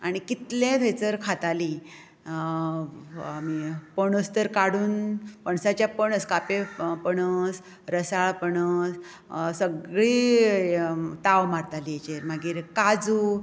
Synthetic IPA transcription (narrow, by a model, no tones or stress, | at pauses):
aɽ̃ikit̪lẽt̪ʰejt͡səɾkʰat̪ali | amipəɳəst̪əɾkaɽuːnpəɳsat͡ɕjapəɳəskapepəɳəs | ɾəsaɭpəɳəs | səɡɭiː | t̪awmaɾt̪aliet͡ɕeɾmaɡiːɾkad͡zuː